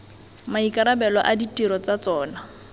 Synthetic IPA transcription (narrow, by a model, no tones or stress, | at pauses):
maikʼaɾabɛlɔʔaditʼiɾɔt͡sat͡sɔːna